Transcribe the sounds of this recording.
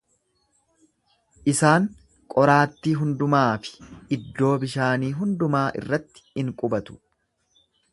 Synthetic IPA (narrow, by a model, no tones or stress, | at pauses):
ʔɪsaːŋ | kʼɔɾaːt̪ːiːɦʊnd̪ʊmaːfɪ̥ʔɪd̪ːo̞ːbɪʃaːniːɦʊnd̪ʊmaːʔɪ̰rːɐt̪ːɪ̥ɪŋkʼʊbɐt̪ʊ̥